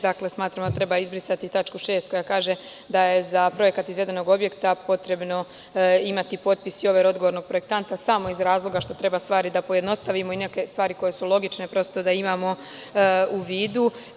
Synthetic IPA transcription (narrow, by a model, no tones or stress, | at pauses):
d̪akle̞smaːt̪ɾamoat̪ɾe̞baizbɾisat̪it̪at͡ʃkuʃe̞ːst̪ko̞jakaːʒe̞ | d̪aje̞zapɾo̞je̞kat̪izʋe̞d̪e̞no̞ɡo̞bje̞kt̪apo̞t̪ɾe̞bno̞ | imat̪ipo̞t̪̚pisio̞ʋeɾo̞d̪ɡo̞ʋo̞ɾno̞ɡ̚pɾo̞je̞kt̪ant̪asamo̞izɾaːzlˠo̞ɡaʃt̪o̞t̪ɾe̞bast̪ʋaːɾid̪apoje̞d̪no̞st̪aʋimo̞ine̞ke̞st̪ʋaːɾiko̞je̞sulo̞ɡit͡ʃne̞pɾo̞st̪od̪aimaːmo̞ | uʋiːd̪u